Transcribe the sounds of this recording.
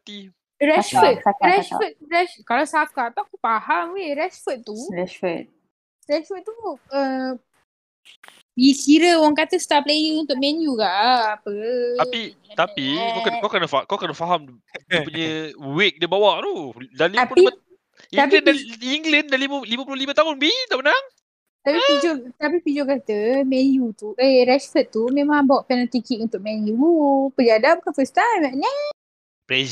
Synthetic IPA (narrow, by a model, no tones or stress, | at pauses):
t̪i | ɾɛʃət̪̚ɾɛʃfət̪̚ɾɛskalawsakat̪ɔʔkupahamweɾɛsfət̪̚t̪ːuɛət̪̚ | ɾɛsfət̪̚t̪uə | bikiɾəwaŋkat̪əst̪aplejəŋunt̪ʊk̚mɛ̃njukaʔʔapəai | t̪apikknkawkənafakawkənafaɦam | dipuɲəwɪk̚dəbawaʔɾudanlit̪api | it̪apəndaiŋɡləndanliməlimə̃p̬ulolimət̪aɦʊnbidaʔmənaŋ | t̪apipid͡ʒot̪apipid͡ʒokat̪əmɛnjut̪uʔeɾɛsfət̪ːumẽmãŋbawaʔpɛnalt̪ikiʔunt̪ʊk̚mɛ̃njupəladabukanfəst̪amaʔna | ple